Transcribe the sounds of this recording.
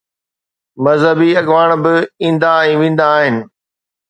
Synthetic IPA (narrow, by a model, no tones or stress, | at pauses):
mɐzɦəbiɐɠʋaːɽ̃bɪĩːnd̪aɛ̃ːʋẽːn̆d̪aːɦɪnɪ̆